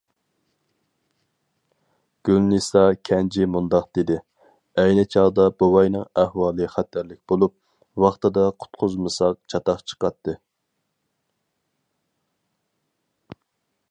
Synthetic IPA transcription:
ɡ̥ʲylnɨsɑkʲʰɛnd͡ʒimund̪ɑqd̪̥ed̪ɪ | ɛjnɪt͡ʃʰɑʁd̪ɑb̥owɑjnɨŋæhwɑːlˠɨχæt̪ʰæɾlɪk̚ʲbolˠup̚ | wɑχt̪ɨd̪ɑqʰʊ̥t̪qʰʊzmɨsɑq̚t͡ʃʰɑt̪ɑqt͡ʃʰə̥qɑt̪ːɨ

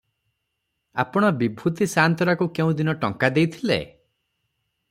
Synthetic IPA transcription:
a̰pɔɽ̃ɔbibʱut̪isant̪ɔɾakukeũd̪inɔʈɔŋkad̪ejt̪ʰilḛ

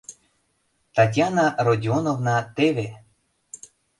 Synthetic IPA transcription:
t̪ɑtʲjɑnɑrodʲionovnɑt̪eve

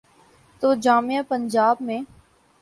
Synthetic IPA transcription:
t̪oːd͡ʒaːmijapəɲd͡ʒaːbmẽː

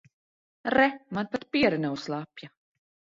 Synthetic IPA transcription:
ɾɛmanpat̪̚piɛɾɛnɛwslˠapja

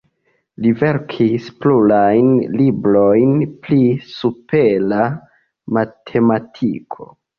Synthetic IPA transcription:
live̞ɾkʰisplulajnlibɾojnplisupela | matʰe̞matʰikʰo̞̰

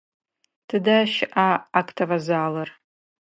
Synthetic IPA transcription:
tʰɨdaʃɪʔaːkʰʼtʰɐvɐzaːlɐr

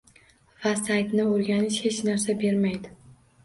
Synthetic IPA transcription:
vasajt̪nɪoɾɡʲanɪʃhe̞t͡ʃnaɾsabe̞ɾmajd̪ɪ

